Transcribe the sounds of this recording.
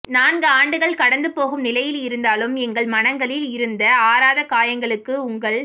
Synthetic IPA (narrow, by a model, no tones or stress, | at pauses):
naːnɡɯaːɳɖɯɣɐɭkɐɽɐnd̪ɯpːoːɣɯmnɪlɐjɪlɪɾɯnd̪aːlɯmɛŋɡɐɭmɐnɐŋɡɐɭɪlɪɾɯnd̪ɐaːɾaːðɐkaːjɐŋɡɐɭɯkːɯʊŋɡɐɭ